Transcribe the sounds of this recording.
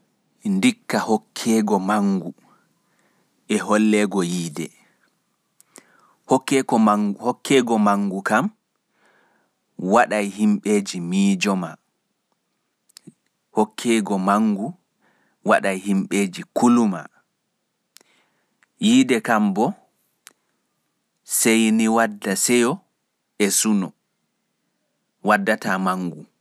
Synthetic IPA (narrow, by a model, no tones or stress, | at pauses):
ndikːahɔkʰːɛɡɔmaŋɡu | ʔɛɦɔlːɛɡɔjiːdɛ̰ | hɔkːɛɔhɔkʰːɛɡɔmaŋɡukam | waɗajhimɓeːd͡ʒimiːd͡ʒɔma | hɔkʰːɛːɡɔmaŋɡu | waɗajhimɓeːd͡ʒikuluma̰ | jidɛkambɔ | sejniwadːasɛjɔ | ɛsunɔ | wadːatamaŋɡu